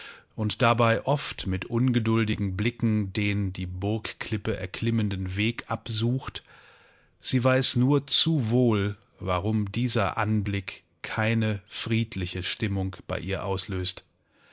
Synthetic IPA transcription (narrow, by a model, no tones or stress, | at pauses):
ʔʊntd̥abaɪʔɔftmɪtʔʊnɡədʊldɪɡŋ̩blɪkŋ̩deːndiːbʊɐkkʰlɪpəʔɛ̰ɐkʰl̥ɪməndən̩veːkʔapzuːxt | z̥iːvaɪsnuːɐt͡suvoːl | vaʁʊmdiːzɐʔanblɪk | kʰːaɪnəfʁ̥iːtʰlɪçəʃtɪmʊŋb̥a̰ɪʔiːɐʔaʊsløːst